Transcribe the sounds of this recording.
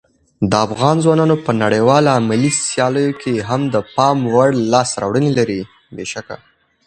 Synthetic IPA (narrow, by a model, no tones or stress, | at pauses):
d̪əafɣɑnzwɑnɑnopənaɽəjwɑlamalisjɑləjokʰeɦamd̪əpɑmwaɽlɑsɾɑ̰wɽənelaɾi | beʃaka̰